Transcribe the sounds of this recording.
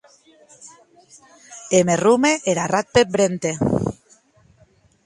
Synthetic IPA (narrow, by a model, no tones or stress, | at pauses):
emerumeʔeɾarat̪̚pebɾent̪e